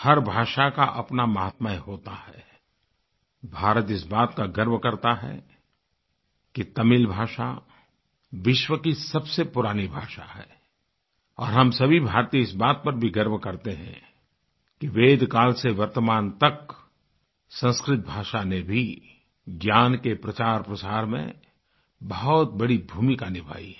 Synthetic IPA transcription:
hɐɾbʱaːʃakaʔɐpnamɐɦət̪maeɦoːt̪ahɛː | bʱaːɾət̪ɪsbaːt̪kaɡɐɾmkɐɾt̪aɦɛ̰ | kit̪ɐmɪlbʱaːʃa̰ | ʋɪʃwəkisɐbsepʊɾaːnibʱaːʃa̰ɦɛ̰ː | ɔːɾɦɐmsɐbʱibʱaːɾt̪iɪsbaːt̪̚pɐɾbʱiɡɐɾmkɐɾt̪eɦɛ̰̃ | kiʋeːd̪kaːlseʋɐɾt̪əmaːnt̪ɐk | sɐ̃nskɾɪt̪̚bʱaːʃanebʱi | ɡjaːnkepɾɐt͡ʃaːɾpɾəsaːɾmḛ̃ | bɐɦɔt̪̚bɐɽibʱuːmikanɪbʱa̰ːḭɛ

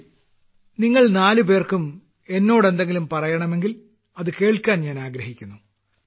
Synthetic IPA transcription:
niŋːɐɭnaːlupe̞ːrkum | e̞nːo̞ːɽe̞nd̪e̞ŋɡilumpɐrɐjɐɳɐme̞ŋɡil | ɐðɨke̞ːɭkʲːaːnɲaːnaːɡɾɐɦikʲːunːu

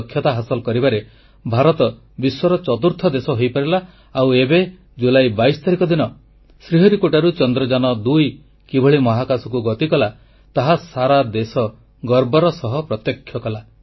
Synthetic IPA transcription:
kʰːjɔt̪aɦasɔlɔkɔɾibaɾe | bʱaɾɔt̪ɔ | biswɔɾɔt͡ʃɔt̪uɾt̪ʰɔd̪esɔɦojpaɾilaː | webe | d͡ʒulajbajsɔ̥t̪aɾikɔd̪inɔ | sɾiɦɔɾikoʈaɾut͡ʃɔnd̪ɾɔd͡ʒanɔd̪uj | kibʱɔɭimɔɦakasɔkuɡɔt̪ikɔla | t̪aɦasaɾad̪esɔ | ɡɔɾbɔɾɔsɔɦɔpɾɔt̪jɔkʰːjɔkɔla

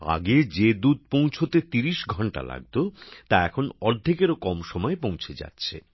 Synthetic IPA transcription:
a̰ɡed͡ʑed̪ud̪̚põw̃t͡ɕʰot̪et̪iɾiʃɡʱɔɳʈa̰la̰ɡ̚t̪ot̪aɛkʰonɔɾd̪ʱikeɾokɔmʃɔmɔepõw̃t͡ɕʰed͡ʑa̰tːɕʰḛ

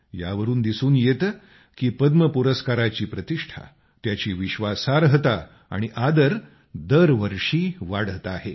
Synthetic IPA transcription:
ja̰ʋəɾuːnd̪isuːnjet̪ | kiːpəd̪məpuɾəskaɾat͡ɕiːpɾət̪iʂʈʰa̰ | t̪jat͡ɕiːʋiɕʋasaɾəɦt̪a | a̰ɽ̃iʔad̪əɾ | d̪əɾʋəɾʂiːʋaɽ̤ət̪aɦe

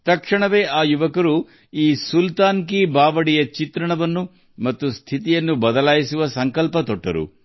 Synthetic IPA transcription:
t̪ɐkʂɐɳɐʋe̞ːʔaːjuʋɐkɐɾu | iːsult̪aːŋk̬ibaːʋɐɽijɐt͡ʃit̪ɾɐɳɐʋɐnːu | mɐt̪ːust̪ʰit̪ijɐnːubɐd̪ɐlaːjisuʋɐsɐŋkɐlpɐt̪ɔʈːɐ̰ɾṵ

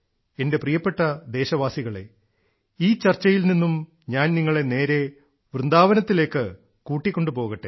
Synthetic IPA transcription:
ende̞prijɐpːe̞ʈːɐd̪e̞ːɕɐʋaːsiɣɐɭe̞̰ | iːt͡ɕɐrt͡ɕːɐjilninːum | ɲaːnniŋːɐɭe̞ne̞ːɾe̞ | ʋrɨnd̪aːʋɐnɐt̪ːile̞ːkːɨ | kuːʈːikʲːo̞ɳɖɨpo̞ːɣɐʈːḛ

